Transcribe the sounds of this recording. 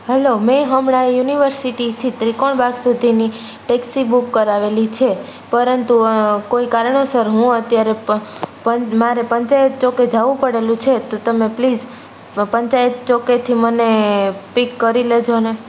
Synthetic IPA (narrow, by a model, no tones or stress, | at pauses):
ɦɛlomẽɦəmɳaejuniʋəɾsiʈit̪ʰit̪ɾikoɳbaɡsud̪ʱini | ʈeksibukːəɾaʋelit͡ʃʰe | pəɾənt̪ukoikaɾɳosəɾɦũət̪jaɾepəmaɾepəɲt͡ʃajət̪̚t͡ʃoked͡ʒaʋũpəɽelũt͡ʃʰet̪ot̪əmeplid͡ʒ | pəɲt͡ʃajət̪̚t͡ʃoket̪ʰimənepikːəɾiled͡ʒone